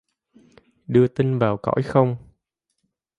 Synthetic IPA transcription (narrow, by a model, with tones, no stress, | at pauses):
ɗɨ˧ət̪i˧nvaː˨˩wkɔ̰˧˥jxə˧wŋ͡m